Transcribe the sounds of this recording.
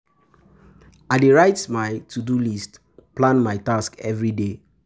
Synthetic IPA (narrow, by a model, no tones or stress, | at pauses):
adeɹaɪtmajtʰudulist | plãnmaɪtaskɛvɹide